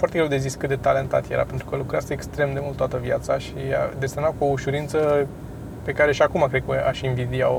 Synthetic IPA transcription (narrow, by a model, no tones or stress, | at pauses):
fwart̪eɡɾewd̪ezisʲkɨt̪d̪e̞t̪ale̞nt̪a̰t̪jeɾa̰pe̞nt̪ɾukəlukɾeasəekst̪ɾe̞md̪e̞mult̪t̪oat̪əvjat̪saʃiad̪esemnakuo̞uʃuɾint̪sə | pe̞kaɾe̞ʃiakumakɾekəaʃinvid̪ia̰